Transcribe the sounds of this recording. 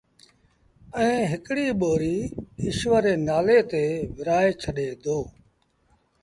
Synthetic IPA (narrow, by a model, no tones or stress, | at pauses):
ɛ̃ːɦɪkɽiːɓoːɾiːɪʃʋəɾeːnaːleːt̪eːʋɪɾaːeːt͡ʃʰəɗeːd̪oː